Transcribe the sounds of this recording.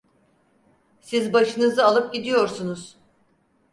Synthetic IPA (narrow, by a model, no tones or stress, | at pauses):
sizbaʃɯnɯzɯalˠɯp̚ɟid̪ijo̞ɾsunuz̥